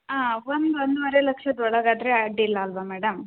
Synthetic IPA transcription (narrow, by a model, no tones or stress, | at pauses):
aːʋond̪uʋond̪uʋɐɾelɐkʂɐd̪ɔɭɐɡaːd̪ɐɾeaʈːilːɐːlʋɐmɛːɽɐm